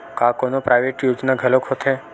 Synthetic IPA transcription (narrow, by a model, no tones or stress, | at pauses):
kakonopɾajʋeʈjod͡ʒnaɡʱəlokʰɦot̪ʰe